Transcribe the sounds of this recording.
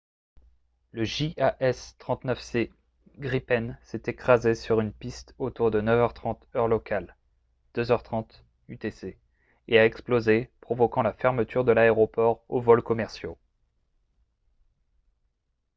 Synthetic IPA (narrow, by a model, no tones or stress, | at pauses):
ləʒiʔaʔɛst̪χɑ̃t̪nœfse | ɡʁipɛnsɛt̪ekχazesyʁynpist̪ot̪uʁd̪ənœvœʁt̪χɑ̃t̪œʁlɔkʰal | d̪̥øzœʁt̪χɑ̃t̪ | yt̪ese | eaɛksplozepχɔvɔkɑ̃lafɛʁmət̪ʰyʁd̪əlaeʁɔpɔʁovɔlkɔmɛʁsjo